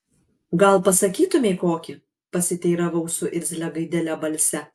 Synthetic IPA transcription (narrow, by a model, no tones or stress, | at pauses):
ɡɐlˠpɐsɐkʲiːt̪ʊmʲeɪkoːkʲɪ | pɐsʲɪt̪ʲɛɪɾɐʋɐʊsʊʔɪɾʲzʲlʲɛɡɐɪd̪ʲɛlʲɛbɐlʲsʲɛ